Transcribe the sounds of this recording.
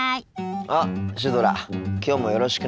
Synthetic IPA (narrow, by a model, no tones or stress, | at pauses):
aɕ̬id̪oɾa̰kʲo̞ːmo̞jo̞ɾo̞ɕi̥kɯ